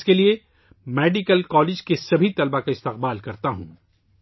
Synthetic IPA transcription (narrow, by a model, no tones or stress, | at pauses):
kelie | meːɖikəlkɔːlɪːd͡ʒkesɐbʱit̪ɐlbakaɪst̪ɪqbaːlkɐɾt̪aɦṵ̃ː